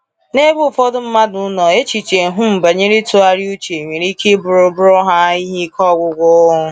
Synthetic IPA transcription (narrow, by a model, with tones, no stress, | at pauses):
ne˦bʊ˦˨fɔ˦dʊ˦m̩˦ma˦dʊ˦nɔ˨e˦t͡ʃi˨t͡ʃe˨ɦʊ˦m̩˨ba˨ɲe˦ɾi˦tʊ˦a˨ɾi˦u˦t͡ʃe˨ɲʷe˨ɾi˦ke˦bʊ˨ɾʊ˦bʊ˦ɾʊ˦ɦa˦i˦ɦi˦kɔ˦ɡʷʊ˨ɡʷʊ˦ʊ˦